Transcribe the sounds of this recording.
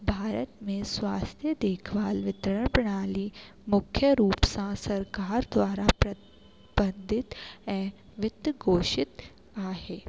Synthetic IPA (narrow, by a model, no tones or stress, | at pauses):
bʱaːɾət̪mẽswaːst̪ʰjəd̪eːkʰʋaːlʋɪt̪ɾəɽ̃pɾɐɽ̃aːli | mʊkʰjəɾuːpsãsɐɾkaːɾd̪waːɾapɾɐ | bɐ̃nd̪ʱɪt̪ɛː | ʋɪt̪ɡoːʃɪt̪ | aːɦeː